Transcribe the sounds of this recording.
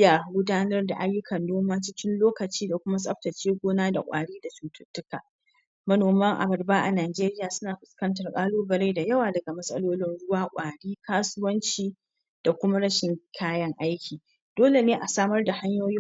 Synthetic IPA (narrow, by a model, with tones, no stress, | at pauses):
jaː˨ɡʷʊ˦daː˦nɐ˦rda̰˨ʔa˦jːʊ˦kɐ˨nːoː˦maː˦t͡ʃɪ˦kʲɪ˦nloː˦kɐ˨t͡ʃiː˦da˨kʷʊ˦ma˦sʼɐ˦ɸ̚tɐ˨t͡ʃeː˦ɡʷoː˦naː˦da̰˨kʷʼa̰ː˨ɽiː˦da˨suː˨tʰʊ˦tːʊ˦kaː˨ | mɐ˦noː˨mɐ˦ŋʔa̰˨bɐ˨rbaː˦ʔa̰˨naː˨d͡ʒeː˦ɾɪ˦jaː˨sʊ˦naː˨ɸʊ˨skɐ˦ntɐ˨rkʼaː˦loː˦bɐ˨ɽe˦jda˨jɐ˦waː˨dɐ˨ɡa˨mɐ˦sʼɐ˦loː˦lɪ˦nɽʊ˦waː˦kʷʼaː˨ɽiː˦kʰaː˦sʊ˦wɐ˦nt͡ʃiː˨ | d̥a˨kʷʊ˦ma˦ɽɐ˦ʃɪ˨ŋkʰaː˦jɐ˦ŋʔa˦jkʲiː˨ | d̥oː˦le˨neː˦ʔa˨saː˦mɐ˦rda˨ha˦ɲjoː˦jɪ˦